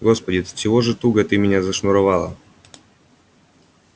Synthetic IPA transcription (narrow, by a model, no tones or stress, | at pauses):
ɡo̞spədʲɪt̪t͡ɕɪvo̞ʐɨt̪uɡət̪ɨmʲɪnʲazɐʂnʊɾɐvɑlˠə̰